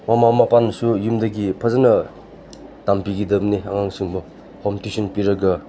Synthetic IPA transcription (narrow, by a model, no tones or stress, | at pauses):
mamamapanːɐsujumdɐɡipʰɐzanɐ | tampiɡidɐbniaŋaŋsuŋbɐ | hɔmtisɔnpiɾɐɡɐ